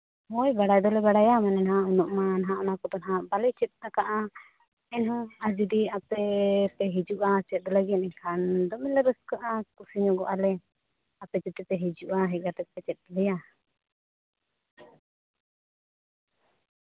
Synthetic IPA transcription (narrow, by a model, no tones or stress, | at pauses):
mɔjbaɽajd̪ɔlɛbaɽajamanɛnaɦãʔunɔʔmanaɦãʔɔnakɔt̪ɔnaɦabalɛt͡ʃɛt̪̚akaʔa | ɛnɦɔad͡ʒid̪iapɛp̪ɛɦid͡ʒuʔat͡ʃɛt̪̚ˀd̪ɔlaɡianɛɲkʰand̪ɔmɛnlɛɾəskaʔakusiɲɔɡɔʔalɛ | apɛt͡ʃɛt̪ɛt̪ɛɦid͡ʒuʔaɦɛc̚ˀat̪ɛpɛt͡ʃɛt̪̚ˀlɛja